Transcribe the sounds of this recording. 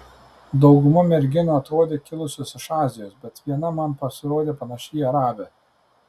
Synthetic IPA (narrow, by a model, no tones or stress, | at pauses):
d̪ɒʊɡʊmɐmʲɛɾʲɡʲɪnoːɐt̪ɾoːd̪ʲeːkʲɪlˠʊsʲoːsɪʃɑːzʲɪjoːsbʲɛt̪ʋʲiɛnɐmɐmpɐsʲɪɾoːd̪ʲeːpɐnɐʃʲiːɐɾɑːbʲɛ